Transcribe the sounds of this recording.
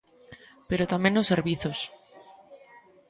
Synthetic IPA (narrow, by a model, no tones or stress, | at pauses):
pe̞ɾot̪amjenose̞ɾβiθos